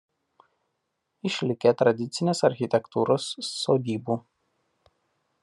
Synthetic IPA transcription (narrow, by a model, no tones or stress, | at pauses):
ɪʃʲlʲɪkʲet̪ɾɐd̪ʲɪt̪sʲɪnʲeːsɐɾʲxʲɪt̪ʲɛkt̪uːɾoːsːoːd̪ʲiːbuː